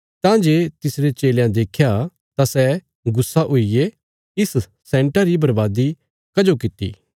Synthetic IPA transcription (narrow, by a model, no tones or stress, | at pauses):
t̪ãːd͡ʒeːt̪ɪsɾet͡ʃeːljãd̪eːkʰja | t̪asɛ | ɡʊsːaʔʊije | ɪs | sɛ̃ːɳʈaɾibɐɾbaːd̪i | kɐd͡ʒokɪt̪ḭː